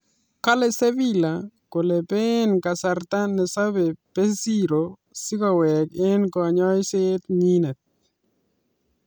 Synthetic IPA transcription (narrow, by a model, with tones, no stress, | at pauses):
ka˦lɛ˦se˦vi˦lako˨le˨pe˦nka˨sa˨ɾt̪a˦nɛ˨sa˦be˨pe˦si˦ɾo | sɪ˦ka˨wɛke˦nkɔ˨a˨ɲɔ˦jset̪ɲi˦nɛ˨t̪̚